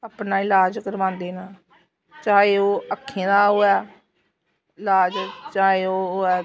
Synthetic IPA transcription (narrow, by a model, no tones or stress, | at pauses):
aːpnaːɪlaːd͡ʒkəɾʋãːnd̪eːnãː | t͡ʃaːeːoːəkʰːẽːd̪aːɦoːɛː | ɪlaːd͡ʒt͡ʃaːeːoːɦoːɛː